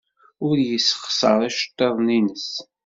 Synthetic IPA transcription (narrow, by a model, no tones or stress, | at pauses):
ʊɾjəsːχsəɾˤæʃə̥t̪ˤːeðˤninəs